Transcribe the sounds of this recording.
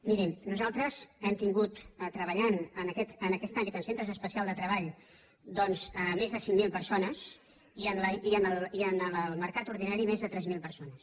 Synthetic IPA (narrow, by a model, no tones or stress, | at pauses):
miɾimnuzalˠt̪ɾəzɛmt̪iŋɡut̪ət̪ɾəβəʎanənəkɛt̪ənəkɛst̪ambit̪ənsent̪ɾəzəspəsialˠd̪ət̪ɾəβaʎ | d̪ɔnzəmezðəsiŋmilˠpəɾsonəz | iənləiənəlˠiənəəlˠməɾkat̪uɾðinaɾimezðət̪ɾɛzmilˠpəɾsonəs